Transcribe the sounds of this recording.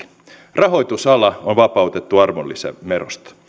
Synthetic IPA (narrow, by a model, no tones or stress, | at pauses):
rɑɦo̞it̪usɑlɑonʋɑpɑut̪et̪ːuɑrmolːḭsæ̰mero̰st̪ɑ̥